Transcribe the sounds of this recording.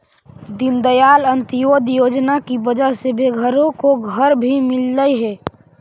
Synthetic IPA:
d̪ɪnd̪əjaːlənt̪joːd̪joːd͡ʒnakibəd͡ʒəɦsebeɡʱəɾõkoɡʱəɾbʱimɪlːəiɦɛː

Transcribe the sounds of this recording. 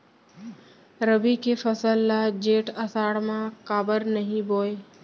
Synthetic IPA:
ɾəbikefʰəsəlːad͡ʒeːʈəsaːɽmãkaːbəɾnəɦĩboːe

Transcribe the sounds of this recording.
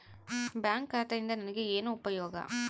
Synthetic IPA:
baːŋkːaːt̪ːɐɪnd̪ɐnɐnɐkːɯeːnːɯ̃ʊpːɐjoːɣa̰ː

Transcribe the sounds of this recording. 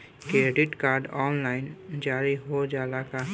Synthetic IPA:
kɾeːɖɪʈkaːɾɖɔːnlaːɪnd͡ʒaːɾiɦod͡ʒaːlaka

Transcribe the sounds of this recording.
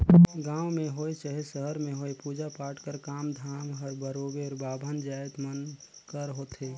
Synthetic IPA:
ɡãːwmẽɦojt͡ʃaɦesəɦəɾmẽɦoːjpuːd͡ʒapaːʈkəɾkaːmd̪ʱaːmɦəɾbəɾobeɔɾbaːbʱənd͡ʒaːjt̪mənkəɾɦoːt̪ɦeː

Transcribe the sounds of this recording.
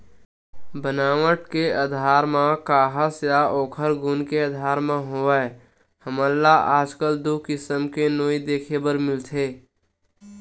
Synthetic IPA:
bənaːʋəʈkeəd̪ʱaːɾmãkaːɦəsjaoːkʰəɾɡʊnkeəd̪ʱaːɾmãɦoɛ | həməlːaaːd͡ʒkəld̪oːkɪsəmkenoːid̪eːkʰebəɾmɪlt̪ʰeː

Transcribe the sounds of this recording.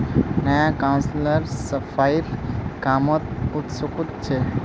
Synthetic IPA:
nəjakawnsləɾsəpʰajɾkamɔt̪ut̪sukut̪t͡ʃʰɛ

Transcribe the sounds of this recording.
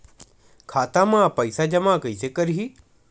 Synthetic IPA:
kʰaːt̪amãːpəɪsad͡ʒɐmãkəisekəɾɦiː

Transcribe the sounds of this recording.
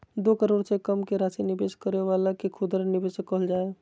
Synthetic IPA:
d̪oːkəɾoːɽsekəmkeɾaːsinɪbeːskəɾeʋaːlakekʰʊd̪ɾnɪbeːsekəɦəld͡ʒaːe

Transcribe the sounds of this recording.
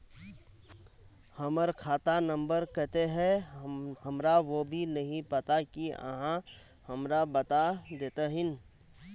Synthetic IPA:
həməɾkʰaːt̪anə̃mbəɾkɛɦt̪eɦɛ | ɦəmɾaʋobʱinəɦĩpət̪akiə̰ɦãhəmɾabət̪ad̪eːt̪aɦɪn

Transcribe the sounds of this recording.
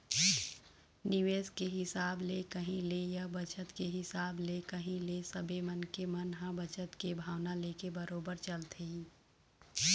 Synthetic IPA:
nɪʋeːskeɦɪsaːblekəɦĩlejɐbət͡ʃət̪keɦɪsaːblekəɦĩlesəbemənkemənɦãbət͡ʃət̪kebʱaːwnaleːkebəɾoːbəɾt͡ʃəlt̪ʰeĩː

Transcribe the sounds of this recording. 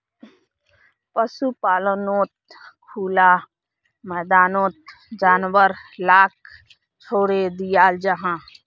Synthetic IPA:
pəsupaːlənoːt̪̚kʰuːla | mɛːd̪aːnoːt̪̚ | d͡ʒaːnwəɾlaːkʰ | t͡ʃʰoːɽed̪ijaːld͡ʒəɦãː

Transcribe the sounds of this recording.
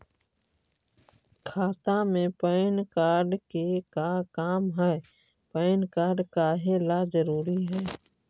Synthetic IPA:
kʰaːt̪ãmẽpəɪnkaːɾɖkekakaːmɦɛː | pəːnkaːɾɖkaɦeːlazəɾuːɾiɦɛː

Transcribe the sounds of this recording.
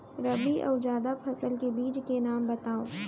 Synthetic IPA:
ɾɐbiʔɔ̰ːd͡ʒaːd̪apʰɐsəlkebiːd͡ʒkenaːmbɐt̪aːoː

